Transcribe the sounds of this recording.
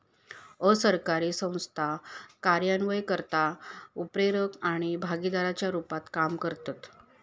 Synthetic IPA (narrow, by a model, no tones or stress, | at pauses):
əsəɾkaɾiːsə̃w̃st̪ʰakaɾjanʋəjkəɾt̪aupɾeɾəkaɽ̃ibʱaɡid̪aɾat͡ɕjaɾupat̪kamkəɾt̪at̪